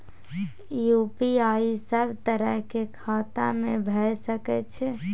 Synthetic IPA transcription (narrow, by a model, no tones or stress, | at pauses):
jupiaisəbʱt̪əɾəɦkekʰat̪a̰mebʱɛjsəkɛtt͡ʃʰɛ